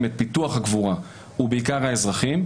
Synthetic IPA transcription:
met̪̚pit̪uaχaɡvuʁa | ubeikaʁhaezʁaχim

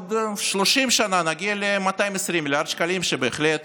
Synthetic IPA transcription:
d̪ʃloʃimʃananaɡʲialemat̪ajimesɾimːilʲaʁd̪ʃkalimʃebeːχlet̪

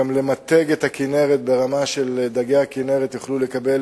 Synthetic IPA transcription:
amle̞mat̪eɡet̪hakineʁet̪̚be̞ʁamaʃeld̪aɡejakineʁet̪juχlulekabel

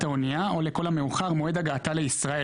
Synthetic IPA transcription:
t̪aoniao̞leko̞lame̞uχaʁmo̞e̞d̪aɡaːt̪ale̞isʁae

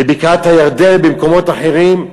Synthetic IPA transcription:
ebikat̪hajaʁd̪e̞lbemko̞mo̞t̪aħeʁim

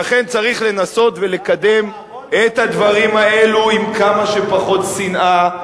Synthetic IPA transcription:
aχe̞nt͡saʁiχle̞naso̞t̪ve̞le̞kad̪e̞m | et̪had̪vaʁimae̞luimkamaʃepaχo̞t̪sinʔa

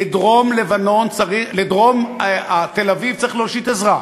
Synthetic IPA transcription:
ed̪ʁo̞mlevano̞nt͡saʁiχled̪ʁo̞mat̪elavivt͡saɐʁiχloʃit̪ezʁa

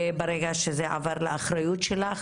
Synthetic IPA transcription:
beɾeɡaʃezeʕa̰vaɾlaaχɾajut̪ʃelaχ

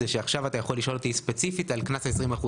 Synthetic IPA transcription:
eʃeaχʃavatajaχo̞liʃo̞lot̪ispet͡sifitalknasesʁimaχu

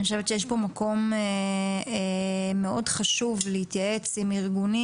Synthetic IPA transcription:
ioʃevetʃejeʃbo̞mako̞m | meo̞dχaʃuvleit̪jae̞t͡simiʁɡuni

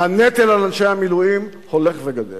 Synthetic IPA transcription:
anet̪elalanʃejamiluim | holeχveɡad̪el

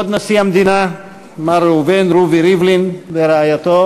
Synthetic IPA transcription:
od̪nasiamd̪ina | maɾeuvenɾuviɾivlinveɾeajat̪o

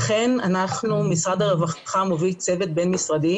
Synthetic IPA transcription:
χe̞nanaχnumisʁad̪aʁevaχχamovilt͡se̞vet̪̚be̞nmisʁad̪i

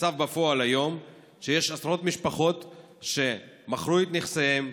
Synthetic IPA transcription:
t͡savbafo̞alajo̞m | ʃe̞je̞ʃasʁo̞t̪miʃpaχo̞t̪ | ʃe̞ | maχɾuet̪niχsejem

